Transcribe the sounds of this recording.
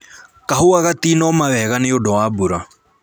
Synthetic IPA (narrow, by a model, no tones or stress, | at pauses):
kaɦoaɣatinɔmaβɛɣaneodɔwaːbuɾa